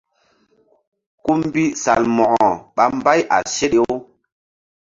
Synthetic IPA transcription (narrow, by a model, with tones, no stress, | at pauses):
ku˦m˦bi˦sa̰˨lmɔ˨ʔɔ˨ɓa˦mba˦jʔa̰˨se˦ɗe˦o˦